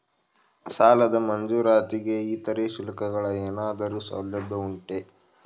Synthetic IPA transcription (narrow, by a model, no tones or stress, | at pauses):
saːlɐd̪ɐmɐnd͡ʒuːɾaːt̪iɡe̞iːt̪ɐɾeːʃulɐkɐɡɐɭɐeːnaːd̪ɐɾuːsɐ̰wlɐbʱːɐuɳʈe